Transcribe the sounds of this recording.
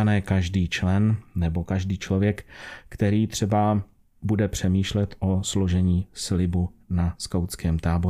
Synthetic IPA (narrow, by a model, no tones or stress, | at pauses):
anɛːkaʒdiːt͡ʃlɛnnɛbo̞kaʒdiːt͡ʃlo̞vjɛkkt̪ɛɾiːt̪r̝̥ɛba | budɛpr̝̥ɛmiːʃlɛt̪ʔoslo̞ʒɛɲiːslɪbunaskawt͡skɛːmt̪aːbo